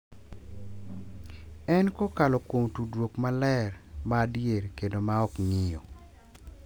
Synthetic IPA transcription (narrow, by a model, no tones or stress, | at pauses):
ɛnkokalɔkwomtudwokmalɛrmadjeɾkedomaɔkŋɪjo